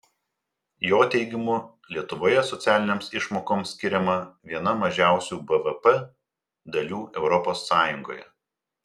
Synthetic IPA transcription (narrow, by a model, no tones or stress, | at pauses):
joːt̪ʲɛɪɡʲɪmʊ | lʲiɛt̪ʊʋoːjɛsɔt̪sʲæːlʲɪnʲeːmsɪʃmoːkoːmsʲkʲɪɾʲɛmɐʋʲiɛnɐmɐʒʲæˑʊsʲuːbɛʋɛpɛ | d̪ɐlʲuːɛʊɾɔposːɑːjʊŋɡo̰ːjɛ̰